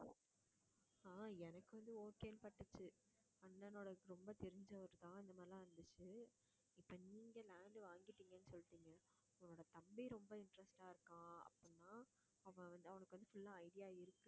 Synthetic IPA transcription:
aːɛnɐkːɯʋɐnd̪ɯoːkeːɐnpɐʈːɯt͡ʃːɯ | ɐnːɐnoːɽɐkːɾɔmbɐt̪ɛɾɪɲd͡ʒɐʋɐɾɯt̪ãːɪnd̪ɐmaːlɐ̃ːɐɾɯnd̪ɯt͡ʃːɯ | ɪpːoːniːŋɡɐlaːɳɖʋaːŋɡɪʈːiːŋɡɐnːɯsɔlːɯʈːiːŋɡɐ | nːoːɽɐt̪ɐmbɪɾɔmbɐɪɳʈɾɛsʈaːɪɾɯkːãːɐ̰pːɯnːaː | ɐʋɐ̃ʋɐnd̪ɯɐʋɐnɐkːɯʋɐnd̪ɯfʊlːãːɐɪɽɪjaːɪɾɯkːɯ̃

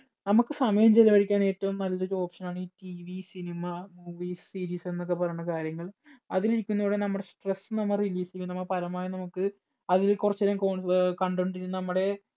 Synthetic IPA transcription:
nɐmukːɨsɐmɐjɐmt͡ɕelːɐʋɐɻikʲːaːne̞ːtːɐʋumnɐlːoɾo̞ːpʂɐnaːɳɨiːtiʋisinimɐmuːʋiːssiːɾiːse̞nːok̬ːe̞pɐrɐjːɳɐkaːɾjɐŋːɐɭɐðiliɾikʲːunːɐʋːɽenɐmːuɽesʈresːɨnɐmːɐriliːsɐikːunɐmːɐpɐlɐmaːjɐnɐmukːɨ | ɐðilkurɐt͡ɕːeɾaːmkokɐɳɖuɳɖiɾunːɨnɐmːuɽe̞

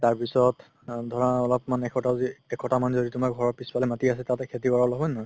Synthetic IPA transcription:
taɹpisɔt | dʱɔɹɔaɔlɔpmanɛkʰɔtaziɛkʰɔtamanzoditumaɡʱɔɹɔɹpiswalɛmatiasɛtatɛkʰetiɡʱɔɹablɔɦɔjnɦɔj

